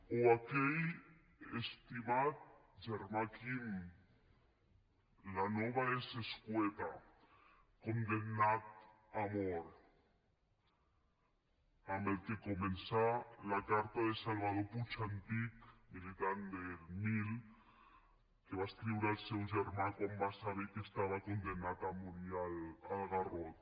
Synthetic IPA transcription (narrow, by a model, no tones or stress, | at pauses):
oakej | est̪imat̪̚ | ʒeɾmakim | lanoβaeseskwet̪a | kond̪ennat̪̚ | amoɾ | amelkekomẽnsalakaɾt̪aðesalβað̞oput͡ʃant̪ikmilit̪and̪elmil | keβast̪ɾiβuɾalsewʒeɾmãkwambasaβekest̪aβakond̪enat̪amoɾjalalɣarot̪̚